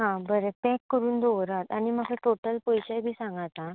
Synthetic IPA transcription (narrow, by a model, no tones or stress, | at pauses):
ɦãbəɾet̪ɛ̃kːəɾuːnd̪oʋɾat̪aɽ̃iməɡeʈ̪oʈəlpəjɕajbʱiːsãŋɡat̪a